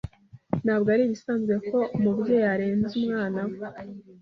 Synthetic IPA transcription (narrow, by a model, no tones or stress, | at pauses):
naːbɡoaɾiβisaːnzɡwe̞ko̞umubɟeːjaɾeːnzumŋaːnawe